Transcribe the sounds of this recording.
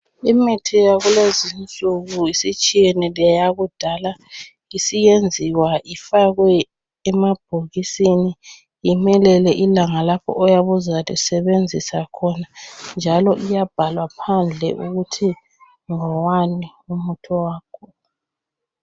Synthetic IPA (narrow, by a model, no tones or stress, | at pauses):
imitʰijaɣulezint͡sʼuɣuisit͡ʃʼijɛnilijajaɣud̥ʱala | isijend͡zʱiwaʔifaɣwɛː | mab̥ʱoɣisini | imɛlɛlɛʔilaŋalapʰɔ̰ʔɔjaβuzalisɛβend͡zʱisakʰɔnand͡ʒʱalɔʔijab̥ʱalwapʰand͡ɮʱɛʔuɣutʰi | ŋɔwaniumutʰɔwaːkʰɔ